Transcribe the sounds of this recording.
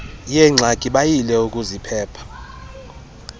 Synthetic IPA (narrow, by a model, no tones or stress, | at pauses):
jɛŋ͡ǀʱaɡ̥ʱiɓajilɛuk̬ʼuzipʰɛːpʰḁ